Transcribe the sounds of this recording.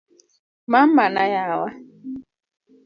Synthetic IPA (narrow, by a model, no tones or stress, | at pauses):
mam̩manajawa